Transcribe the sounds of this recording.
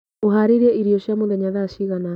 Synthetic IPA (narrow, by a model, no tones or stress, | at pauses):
oɦaɾeɾiɛiɾiɔɕjamoðɛɲaðaʃiɣana